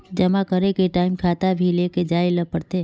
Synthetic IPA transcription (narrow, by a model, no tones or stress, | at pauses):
d͡ʒəmakəɾekeʈaːɪmkʰaːt̪abʱileːked͡ʒaːiləpəɽt̪eː